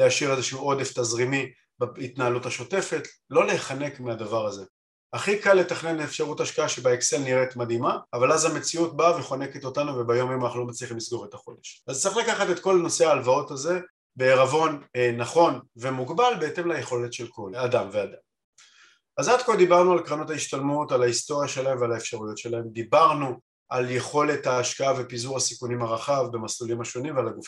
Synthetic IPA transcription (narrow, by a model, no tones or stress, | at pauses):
leaʃiʁezeʃuo̞d̪eftazʁimi | bit̪naalutaʃo̞te̞fe̞tlo̞leːχanekmiadavaʁaze̞ | aχikalːe̞taχne̞neːfʃaʁuthaʃkaaʃebaekse̞lniʁet̪mad̪imaːvalazhame̞t͡siut̚baveχo̞ne̞ke̞t̪o̞tanuvebajo̞majoanaχnulomat͡sliχimlisɡo̞ʁe̞t̪aχo̞d̪e̞ʃazt͡sʁiχlakaχatet̪ko̞lano̞se̞aːlvao̞taze̞ | be̞ːʁavo̞nnaχo̞nve̞muɡbalbeete̞mlajeχo̞le̞tʃe̞lko̞ladamvead̪am | azad̪kold̪ibaʁnualkʁano̞taiʃtalmutalaisto̞ʁjaʃe̞lahe̞mvalaefʃaʁujo̞tʃe̞lae̞md̪ibaʁnu | ʔalje̞χo̞le̞thaːʃkaavepizuʁasikunimaʁaχavbe̞maslulimhaʃo̞nimvealaɡuf